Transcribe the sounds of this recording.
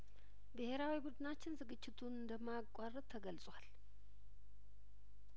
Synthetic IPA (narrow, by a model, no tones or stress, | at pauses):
bɨhe̞ɾawibud̪ɨnat͡ʃːɪnzɨɡɨt͡ʃːɪt̪ʰunɨnd̪əmːakʷʼːarːət̪ʰːəɡəlsʼwal